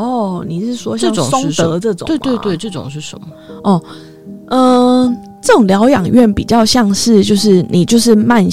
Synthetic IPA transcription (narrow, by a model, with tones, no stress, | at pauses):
ɔ˥˩ni˨˩ʂɻ̩˥˩ʂwɔ˦˥ɕ̩˥˩˨so˥ŋ˥t̪ə˧˦dɤ˥˩ʈ͡ʂʊ˨twe˥˧t̪we˥˧ɪt̪we˥˩ʈ͡ʂɤ˥˩ʈ͡ʂʊ̰˨˩ŋʂɻ̩˥˩ʂə̰˧˦nmə˨˩ʔɔ˥˩ | ə˧ | ʈ͡ʂɤ˥˩ʈ͡ʂʊ˨˩ŋljɑ˧˥ʊjɑ˨˩ŋɥɛ˥˩npi˨˩t͡ɕjɑ˥˧ʊɕjɑ˥˧ŋʂɻ̩˥˧t͡ɕjo˥˧ʊʂɻ̩˥˩ni˨˩t͡ɕjo˥˧ʊʂɻ̩˥˧ma˥˧n